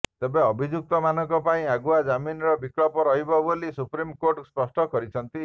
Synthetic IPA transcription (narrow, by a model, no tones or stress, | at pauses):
t̪ebeɔbʱid͡ʒuk̚t̪ɔmanɔŋkɔpaĩaɡuad͡ʒaminɔɾɔbikɭɔpɔɾɔɦibɔbolisupɾimkoɾʈspɔsʈɔkɔɾit͡ʃʰɔnt̪i